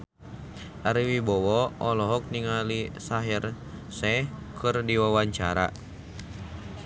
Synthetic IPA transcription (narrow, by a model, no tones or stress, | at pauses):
ʔaɾiwibɔwɔɔlɔɦɔk̚niŋalisaɦir | sɛhkʰɨrdiwawaɲt͡ʃa̰ɾa̰